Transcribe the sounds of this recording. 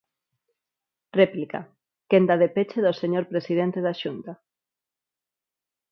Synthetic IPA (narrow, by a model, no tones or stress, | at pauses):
replika̰ | kend̪aðepet͡ʃeðoseɲoɾpɾesið̞ent̪eðaʃunt̪a